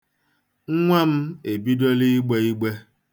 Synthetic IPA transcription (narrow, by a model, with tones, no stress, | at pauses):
ŋ̩˦ŋʷa˦m̩˦e˨bi˦do˦li˦ɡ͡be˨i˦ɡ͡be˦